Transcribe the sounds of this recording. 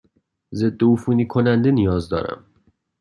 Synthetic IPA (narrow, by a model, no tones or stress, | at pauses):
ze̞d̪ːoufuːniːkʰonænd̪enijɒːzd̪ɒ̰ːɾæ̰m